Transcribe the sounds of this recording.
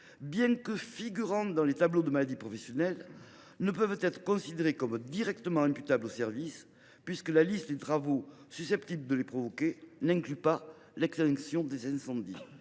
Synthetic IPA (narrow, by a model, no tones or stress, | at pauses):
bjɛ̃kəfiɡyʁɑ̃d̪ɑ̃let̪ablod̪əmalad̪ipχɔfɛsjɔnɛl | nəpœvt̪ɛt̪χə̥kɔ̃sid̪eʁekɔmd̪iʁɛk̚t̪əmɑ̃ɛ̃mpyt̪ablosɛʁvis | pɥiskəlalist̪d̪et̪ʁavo | sysɛpt̪ibləd̪əlepχɔvɔkenɛ̃ŋklypa | lɛkst̪ɛ̃ŋksjɔ̃d̪ezɛ̃sɑ̃d̪i